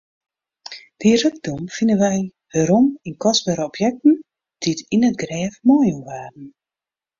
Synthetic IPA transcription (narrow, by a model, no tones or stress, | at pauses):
d̥irøɡ̚dumfinənʋɛj | həɾɔminkɔsbəɾəɔpʰjɛk̚tn̩ | d̥iətinətɡrɛːfmɔːjumʋaːrn̩